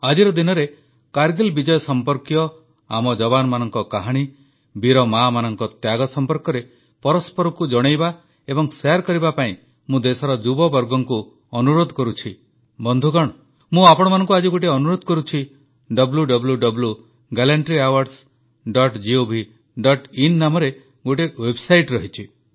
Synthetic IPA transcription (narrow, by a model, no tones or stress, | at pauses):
ad͡ʒiɾɔd̪inɔɾe | kaɾɡelbid͡ʒɔjɔsɔmpɔɾkjɔ | a̰mɔd͡ʒɔbanɔmanɔŋkɔkaɦaɽ̃i | biɾɔmamanɔŋkɔt̪jaɡɔsɔmpɔɾkɔɾe | pɔɾɔspɔɾɔkud͡ʒɔɽ̃ejba | ebɔŋseaɾkɔɾibapaĩ | mũd̪esɔɾɔd͡ʒubɔbɔɾɡɔŋku | ɔnuɾod̪ʱɔkɔɾut͡ʃʰi | bɔnd̪ʱuɡɔɽ̃ɔ | mũapɔɽ̃ɔmanɔŋkuad͡ʒiɡoʈ̬eɔnuɾod̪ʱɔkɔɾut͡ʃʰi | ɖɔbuljuɖɔbuluɖɔbulu | ɡalaɳʈɾiawaɾs | ɖɔʈd͡ʒiobʱi | ɖɔʈinːamɔɾe | ɡoʈ̬ewebsajʈɾɔɦit͡ʃʰi